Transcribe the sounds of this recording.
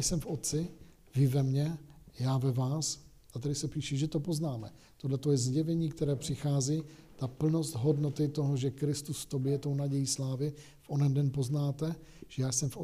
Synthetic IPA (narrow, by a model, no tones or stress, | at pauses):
ajsɛmfot̪̚t͡sɪ | vɪvɛmɲɛjaːvɛvaːs | at̪adɪsɛpiːʃɛʒɛt̪opoznaːmɛ̰ | t̪odlɛt̪ojɛzjɛvjɛɲiːkt̪ɛɾɛːpr̝̥ɪxaːziːt̪apl̩no̞st̪ɦo̞dnot̪ɪt̪oɦoʒɛkɾɪst̪usft̪objɛt̪ownaɟɛjiːslaːvɪ | fʔonɛndɛnpo̞znaːt̪ɛ | ʒ̥ɛjaːjsɛmfʔo